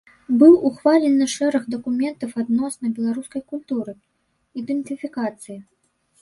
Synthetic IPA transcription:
bɨwuxvalʲinɨʂɛɾɐɣd̪ɐkumʲɛnt̪ɐwad̪nɔsnɐbʲɛlˠaɾuskɐjkulʲt̪uɾɨ | id̪ɨnt̪ɨfʲikat̪sɨji

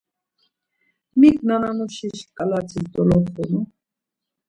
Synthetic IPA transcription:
miknanamuʃiʃkʼalat͡sʰisd̪ɔlɔtʰunu

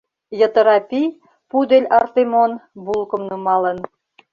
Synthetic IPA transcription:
jɤ̆t̪ɤ̆ɾɑpʲij | pud̪elʲɑrt̪emonbulˠkɤ̆mnɯmɑlˠɤ̆n

